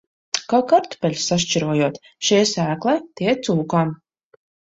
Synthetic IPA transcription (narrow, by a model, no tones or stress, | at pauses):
kawkaɾt̪u̥pʲɛlʲsːaʃt͡ʃiɾuɔjuɔt̪ | ʃijɛsæːklˠɛːt̪iɛt̪suːkam